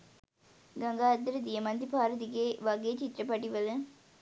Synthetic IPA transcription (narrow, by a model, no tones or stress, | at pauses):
ɡaŋɡaːd̪ːɐɾəd̪ijəmɐnd̪ipaːɾəd̪iɡeːʋaɡeːt͡ʃit̪ːɾəpɐʈiʋələ